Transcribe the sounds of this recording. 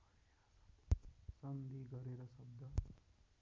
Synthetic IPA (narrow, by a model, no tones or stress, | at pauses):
sɐnd̪ʱiɡɐɾeːɾɐsɐbd̪ʱɐ